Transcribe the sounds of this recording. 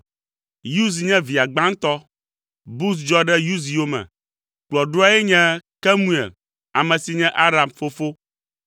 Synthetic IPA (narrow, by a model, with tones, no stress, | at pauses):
ju˦z̬i˨ɲɛ̃˦vi˨a˨ɡ͡bã˦ŋ˦t̪ɔ˦ | bu˦s̬d͡ʒɔ˦ɖɛ˦ju˦zi˨wo˦mɛ̰̃˨ | k͡plɔ˨ɖo˦a˦jɛ˦ɲɛ̃˦kɛ˦mũ˦ḛ˨l | a˨mɛ̃˨si˨ɲɛ̃˦ʔa˦ɾa˨mfo˦fo˦